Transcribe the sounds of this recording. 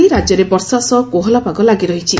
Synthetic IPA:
iɾad͡ʒɔɾebɔɾsasɔkoɦɔlapaɡɔlaɡiɾɔɦit͡ʃʰi

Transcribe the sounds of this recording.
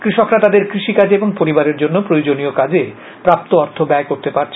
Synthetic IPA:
kɾiʃokɾat̪ad̪eɾkɾiʃikad͡ʑeeboŋpoɾibaɾeɾd͡ʑonːopɾojod͡ʑoniokad͡ʑe | pɾap̚t̪oɔɾt̪ʰobɛekoɾt̪epaɾt͡ɕʰ

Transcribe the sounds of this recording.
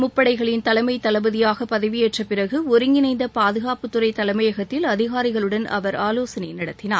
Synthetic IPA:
mʊpːɐɽɐɪɣɐɭɪnt̪ɐlɐmɐɪt̪ːɐlɐbɐðɪjaːɣɐpɐðɐɪʋɪjeːʈrɐpɪrɐɣɯɔɾɯŋɡɪnɐɪnd̪ɐpaːðɯɣaːpɯt̪ːɯɾɐɪt̪ɐlɐmɐjɐɣɐt̪ːɪlɐðɪɣaːɾɪɣɐɭɯɽɐnɐ̰ʋɐɾaːloːsɐnɐɪnɪɽɐt̪ːɪnaːɾ

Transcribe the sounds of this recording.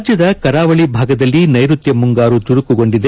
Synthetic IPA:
d͡ʒjɐd̪ɐkɐɾaːʋɐɭibʱaːɡɐd̪ɐlːinɐjɾut̪jɐmuŋɡaːɾut̪uɾukuɡo̞ɳɖid̪e

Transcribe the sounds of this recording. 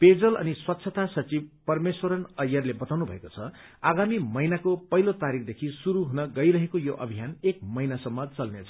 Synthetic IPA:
ped͡zʌlʌ̰niswʌt̪ːsʰʌt̪asʌt͡sibpʌrmeswʌɾʌnʌjʌrlebʌt̪awnubʱʌ̰ekot͡sʰʌ | aɡamimʌjnakopʌɦilot̪aɾik̚ʰd̪ekʰisuɾuɦunʌɡʌiɾʌɦekojoʔʌ̰bʱijanek̚mʌjnasʌmːʌt͡sʌlnet͡sʰʌ

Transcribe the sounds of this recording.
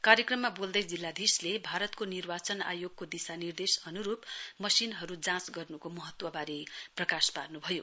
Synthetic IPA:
kaɾjekrʌmːabold̪ʌjd͡zilːad̪ʱislebʱaɾʌt̪konirbat͡sʌna̰joɡ̚kod̪isanird̪esʌnuɾupmʌsinɦʌɾud͡zãt͡sɡʌrnukomʌɦʌt̪wʌbaɾiprʌkasparnubʱʌjo̰

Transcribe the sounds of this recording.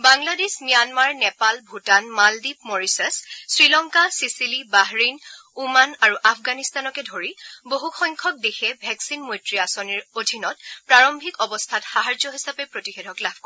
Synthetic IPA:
baŋladesmijanmaɹnɛpalbʱutanmaldipmɔɹisɛssɹilɔŋkasisilibaɦɹinumanaɹuʔapʰɡanistanɔkɛdʱoɹiboɦuxɔjŋkʰɔk̚dexʰɛbʱɛksinmojtɹiasɔniɹodʱinɔtpɹaɹɔmbʱikɔbɔstʰatxaɦaɹd͡ʒɔɦisapɛpɹotixɛdʱɔklab̚ʱkoɹ

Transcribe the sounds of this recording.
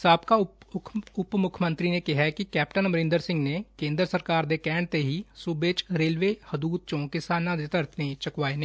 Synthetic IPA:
saːbkaʊ | ʊpmʊkʰəmə̃nt̪ɾinekɪɦɛkikɛːpʈənmɾɪ̃nd̪əɾsɪ̃ŋɡnekẽːnd̪ɾəsəɾkaːɾd̪eːkɛ̃ːɳt̪eɦisʊbeːt͡ʃɾeːlʋeːhəd̪uːt̪̚t͡ʃõːkɪsaːnãd̪ɪt̪əɾt̪ẽt͡ʃəkʋaːene

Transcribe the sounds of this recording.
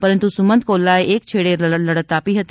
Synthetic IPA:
pɐɾə̃nt̪usʊmə̃nd̪̚koːlːaːeʔeːkt͡ʃʰeːɽelɐɽət̪aːpiɦɐt̪

